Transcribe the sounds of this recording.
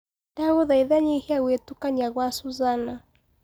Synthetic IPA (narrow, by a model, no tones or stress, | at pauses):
daɣuðaiðaɲihiawetukaɲaɣwasuzana